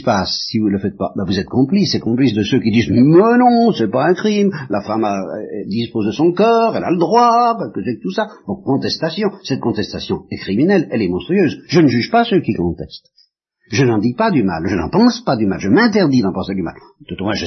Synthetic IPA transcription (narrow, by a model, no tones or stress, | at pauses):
pasːivuləfɛt̪̚pa̰bavuzɛt̪kɔ̃plisɛkɔ̃plis̬d̪əsøkʲid̪iːzmənɔ̃sɛpaɛ̃kχimlafamad̪ispozed̪əsɔ̃kɔʁɛla̰ləd̪ʁwakɛlkəsɛk̚t̪usad̪ɔ̃kɔ̃t̪ɛst̪asjɔ̃sɛt̪̚kɔ̃t̪ɛst̪asjɔ̃ɛkχiminɛlɛlɛmɔ̃st̪χyøːzʒənəʒyʒpasøkʲikɔ̃t̪ɛst̪ | ʒənɑ̃d̪ipad̪yma̰lʒənɑ̰̃pɑ̃spad̪ymalʒəmɛ̃t̪ɛʁd̪id̪ɑ̃pɑ̃sed̪yma̰l | t̪ut̪omwɛ̃ʒə